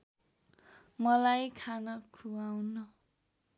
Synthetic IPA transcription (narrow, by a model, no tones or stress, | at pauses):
mʌlajkʰanʌkʰuawnʌ